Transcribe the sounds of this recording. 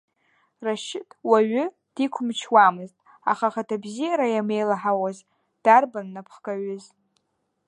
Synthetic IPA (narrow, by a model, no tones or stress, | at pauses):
raʃɪtʰʼwaɥʏ | d̥ikʷʰʊmt͡ʃʰwamɨztʼ | a̰χaχatʰabzijaɾajame̞jlaħawaz | d̥arbanːapʰχkʼaɥʊz